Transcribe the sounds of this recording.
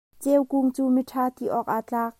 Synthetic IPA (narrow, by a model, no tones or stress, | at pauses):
t͡sɛwkuŋt͡suːmiʈʰaːt̪iʔɔːk̚ʔaːt͡ɬaːk̚